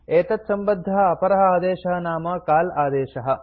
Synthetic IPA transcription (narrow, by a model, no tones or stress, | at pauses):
eːt̪ɐt̪sɐmbɐd̪ʱːɐɦɐ̆ɐpɐɾɐɦɐaːd̪eːʃɐɦɐnaːmɐkaːlaːd̪eːʃɐɦɐ̆